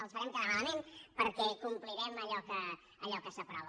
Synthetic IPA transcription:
əlˠsfəɾɛmkənəɾalmenpəɾkɛkumpliɾɛməʎɔkəː | ʎɔkəsəpɾɔβ

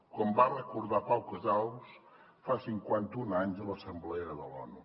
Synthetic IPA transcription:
kwambarəkuɾðapawkəzaws | fasiŋkwant̪unaɲzələsəmblɛəðəlɔnu

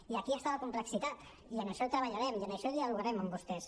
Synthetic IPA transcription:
iakiest̪alakumpleksit̪at̪ | iəneʃɔt̪ɾaβ̞aʎaɾɛmjəneʃɔðialuɣaɾɛmambust̪ɛs

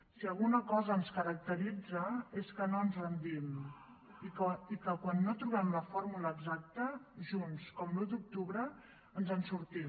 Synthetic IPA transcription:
siəlˠɣunəkɔzəːnskəɾək̚t̪əɾid͡zəeskənoənzrənd̪im | ikikəkwanːot̪ɾuβɛmləfoɾmuləːɡzak̚t̪əʒunskɔmlud̪uk̚t̪uβɾə | ənzənsuɾt̪i

